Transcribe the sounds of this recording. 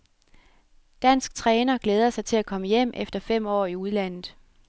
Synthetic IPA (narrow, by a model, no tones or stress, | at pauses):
d̥æn̰sɡ̥t͡sʰʁɛːnɐɡ̥leːð̞ˠɐsɑ̈ɪt͡sʰe̝lækʰɒ̽məjem̰efd̥ɐfem̰ɒ̰ːiuð̞ˠlæn̰ð̩ˠ